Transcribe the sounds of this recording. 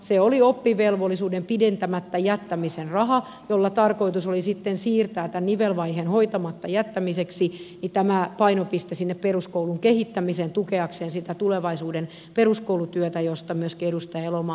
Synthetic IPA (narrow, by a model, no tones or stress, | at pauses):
seoliopːiʋelʋolːisuːdempident̪æmæt̪ːæjæt̪ːæmisenrɑhɑ | jolːɑt̪ɑrkoit̪usolisit̪ːensiːrt̪æːt̪ænniʋelʋɑihenhoit̪ɑmɑt̪ːɑjæt̪ːæmiseksinit̪æmæpɑinopist̪esinːepperuskouluŋkehit̪ːæmiseːnt̪ukeɑkseːnsit̪æt̪uleʋɑisuːden | peruskoulut̪yøt̪æjost̪ɑmyøskeɾust̪eelomɑː